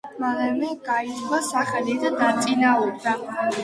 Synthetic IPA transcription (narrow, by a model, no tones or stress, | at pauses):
malɛmɛɡaiswasaχɛlid̪ad̪at̪sʼinauɾd̪a